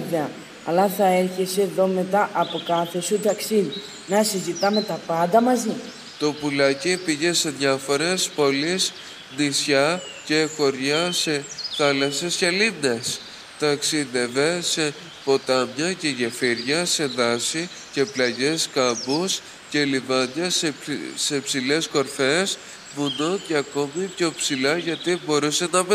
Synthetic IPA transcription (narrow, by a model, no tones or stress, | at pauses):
ɐ | ɐlɐθɐe̞ɾçeseːðo̞me̞t̪ɐʔɐpo̞kɐθe̞sut̪ɐksiði | nɐsizit̪ɐme̞t̪ɐpɐnd̪ɐmɐzi | t̪o̞pulɐcipiʝe̞se̞ðʝɐfo̞ɾe̞spo̞lis | nisçɐ | ce̞xo̞ɾʝɐse̞θɐlɐsescelines | t̪ɐksiðe̞ve̞se̞ | po̞t̪ɐmɲɐce̞ʝefiɾʝɐse̞ðɐsi | ce̞plɐʝe̞skɐbus | ce̞livɐɲɐsse̞psile̞sko̞ɾfe̞s | vunoce̞ɐko̞mipço̞ipsilɐʝɐt̪ibo̞ɾuse̞nɐv